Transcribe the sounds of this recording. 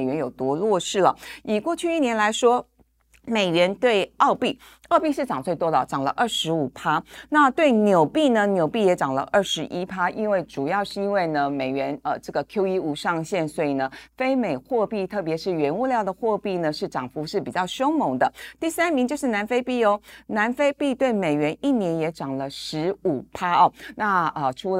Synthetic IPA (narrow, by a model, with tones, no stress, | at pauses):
ɥɛ˧˥njo˨˩ʊt̪wɔ˥lwɔ˥˧ʂɻ̩˥˩lə̰˩i˨˩kwɔ˥˧t͡ɕʰy˥˧i˥˩njɛ˧˥nla˧˥ɪʂwɔ˥ | me˨˩ɪɥɛ˧˥nt̪we˥˧ɪɑ˥˧ʊpi˥˩ | ɑ˥˧ʊpi˥˧ʂɻ̩˥˩ʈ͡ʂɑ˨˩ŋt͡swe˥˩ɪt̪wɔ˥d̪ə̰˨˩ʈ͡ʂɑ˨˩ŋlə̰˦ʔə˥˩ʂɻ̩˧˥u˨˩pʰa˥na˥˧t̪we˥˩ɪnjo˨˩ʊpi˥˩nə˩njo˨˩ʊpi˥˩jɛ˧˥ʈ͡ʂɑ˨˩ŋlə̰˦ʔə˥˩ʂɻ̩˧˥ʔi˥pʰa˥ʔi˥nwe˥˩ɪʈ͡ʂu˨˩jɑ˥˧ʊʂɻ̩˥˩i˥nwe˥˩ɪnə˩me˨˩ɪɥɛ˧˥nə˨˩ʈ͡ʂɤ˥˩ɡə˩kʰjo˥ʊi˥u˧˥ʂɑ˥˧ŋɕjɛ˥˩nswɔ˧˥i˨˩nə˩fe˥ɪme˨˩ɪxwɔ˥˧pi˥˧t̪ʰɤ˥˩p̬jɛ˧˥ʂɻ̩˥˩ɥɛ˧˥nu˥˧ljɑ˥˩ʊd̪ə˩xwɔ˥˧pi˥˩nə˩ʂɻ̩˥˩ʈ͡ʂɑ˨˩ŋfu˧˥ʂɻ̩˥˩pi˨˩t͡ɕjɑ˥˩ʊɕjo˥ʊmo˧˥ŋd̪ə˧t̪i˥˩sa˥nmi˧ŋt͡ɕjo˥˧ʊʂɻ̩˥˩na˧˥nfe˥ɪpi˥˩jo˧˩ʊna˧˥nfe˥ɪpi˥˧t̪we˥˩ɪme˨˩ɪɥɛ˧˥ni˥˩njɛ˧˥njɛ˧˥ʈ͡ʂɑ˨˩ŋlə˦ʂɻ̩˧˥u˨˩pʰa˥ɔ˨na˥˩ə˨ʈ͡ʂʰu˧˥l